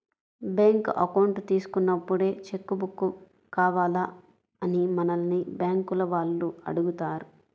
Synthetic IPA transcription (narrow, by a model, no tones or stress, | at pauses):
beːŋkɐ̰kɐwɳʈt̪iːsu̥kunːɐpːuɽe̞ːt͡ʃe̞kːubukːu | kaːʋaːla | ɐnimɐnɐlɐnibjaːŋkulɐʋaːɭːuɐ̰ɽuɡut̪aːɾu